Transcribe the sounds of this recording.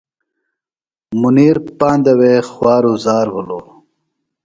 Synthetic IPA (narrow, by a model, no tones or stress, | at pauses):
muniːɾpaːnd̪ɐwexwaːɾuzaːɾwulo